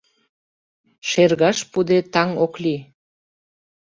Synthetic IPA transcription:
ʃerɣɑʃpud̪et̪ɑŋokli

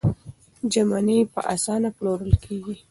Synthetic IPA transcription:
d͡ʒamanejpə̰ʔasɑnaploɾəlkʰeɡi

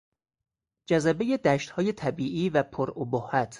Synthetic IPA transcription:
d͡ʒæzæbeje̞d̪æʃt̪hɒːje̞t̪ʰæbiːʔiːvæpʰoɾobohːæt̪ʰ

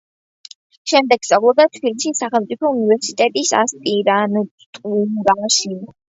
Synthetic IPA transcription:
ʃɛmd̪ɛɡ̥st̪ʼavlˠɔb̚d̪at̪ʰpbiliʃisaχɛlˠmt̪sʼipʰɔunivɛɾsit̪ʼɛt̪ʼisa̰st̪ʼiɾan | t̪ʼuɾaʃi

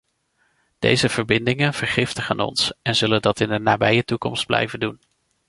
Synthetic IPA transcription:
d̥ḛjzəv̥əɹbɪndɪŋənv̥əɹχɪftəχa̰ːnɔ̰nsɛnzɵləndɑtɪnənːaːbɛjətukɔ̰msd̚blɛ̰jvəndun

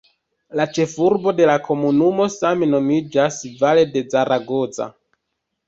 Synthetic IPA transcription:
lat͡ʃe̞fuɾbo̞de̞lakʰo̞munumo̞sameno̞mid͡ʒasvale̞de̞d͡zaɾʔaɡo̞d͡za̰

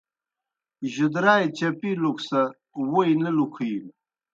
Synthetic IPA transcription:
ʑud̪ɾaːjt͡ɕɐpiluksɐ | wojnɐlukʰil

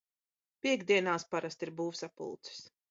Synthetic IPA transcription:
pʲiɛɡd̪ʲiɛnaːspaɾast̪iɾbuːfsapṵlˠt̪sɨ̥s

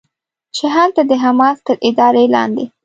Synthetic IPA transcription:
t͡ʃɪɦalt̪ad̪əɦamɑst̪əɾʔɪd̪ɑɾelɑ̰nd̪e

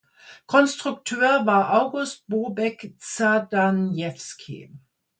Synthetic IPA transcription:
kʰɔnstʁ̥ʊk̚tʰøːɐvaːɐʔaʊɡʊst̚b̥oːbɛkt͡sadanjɛfskʰḭ

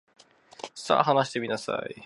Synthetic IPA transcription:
sa̰ːɦanaɕ̬i̥t̪e̞mʲinasa̰i

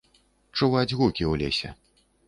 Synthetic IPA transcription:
t͡ʂuvad͡zʲɣukʲiwlʲḛsʲɛ̰

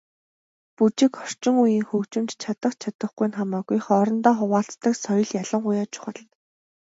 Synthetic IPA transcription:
put͡ɕɪ̆kɔr̥t͡ɕɪ̆ŋujiːŋxɵkt͡ɕɪ̆mt͡ɕt͡ɕʰat̪ə̆χt͡ɕʰat̪ə̆χɡujnχamaːɣujχɔɾɞ̆nt̪ɔːχʊʁaːɬt͡st̪ə̆ksɔjɞ̆ɮjaɮə̆ŋɢʊjaːt͡ɕʰʊ̥χə̆ɮt̪

